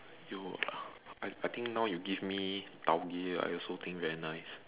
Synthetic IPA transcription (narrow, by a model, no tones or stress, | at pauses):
ju | aajt̪ʰĩŋk̚nawjuɡivmit̪awɡea̰jɔlsot̪ʰĩŋkvɛɹinaɪs